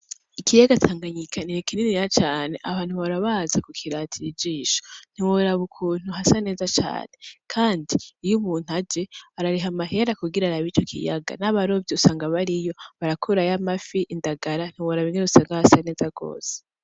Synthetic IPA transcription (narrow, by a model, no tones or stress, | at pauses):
ikʰijaɡatʰaːŋɡaɲikʰaniɾekininijat͡ʃaːne̞ʔaβaːn̥huβaɾaβazakukʰiɾatʰid͡ʒiːʃo̥n̥hiwoɾaβukʰuːn̥huɦasane̞ːzat͡ʃa̰ːne̞kʰaːndiijumuːn̥ad͡ʒeaɾaɾiɦamaɦe̞ɾakuɡiɾaɾaβiːt͡ʃo̞kʰḭja̰ɡa̰naβaɾo̞vjiusaːŋɡaβaɾijo̞βaɾakʰuɾajamafiʔindaɡaɾan̥hiwoɾaβineɾusaːŋɡahasane̞ːzaɡ̥o̞̰ːse̥